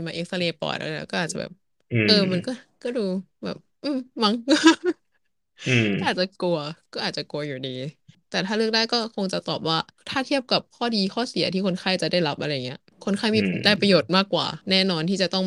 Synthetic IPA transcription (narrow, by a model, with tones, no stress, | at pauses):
nmaː˧ʔeː˦˥k̚sa˧leː˧pɔ̰ː˨˩jʔa̰˧˥˩lɛ̰ː˦˥kɔː˥˩ʔaː˨˩a˨˩bɛ̰ː˨˩p̚ | ʔɤː˧ma˧nkɔː˥˩kɔː˥˩duː˧ | bɛ̰ː˨˩p̚ʔɯː˧˩ma˧˥˩ŋkː | ɔ˥˩ʔaː˨˩t̚t͡ɕa˨˩ku˧ɐkɔː˥˩ʔaː˨˩t̪̚t͡ɕa˨˩ku˧ɐjuː˨˩diː˧t̪ɛː˨˩t̪ʰaː˥˩lɯ˥˩ək̚daː˥˩jkɔː˥˩kʰo˧ŋt͡ɕa˨˩t̪ɔ̰ː˨˩p̚waː˥˩t̪ʰaː˥˩t̪ʰi˥˩əp̚ka˨˩p̚kʰɔː˥˩diː˧kʰɔː˥˩si˨˩˦t̪ʰiː˥˩kʰo˧nkʰaː˥˩jt͡ɕa˨˩da˥˩jɾa˦˥p̚ʔa˧ɾa˧jːa˨˩ŋi˦˥ɐ | kʰo˧nkʰaː˥˩jmiː˧˩˨daː˥˩jpɾa˧joː˨˩t̪̚maː˥˩kːwa̰ː˨˩nɛː˥˩nɔː˧nt̪ʰiː˥˩t͡ɕa˨˩t̪ɔ˥˩ŋ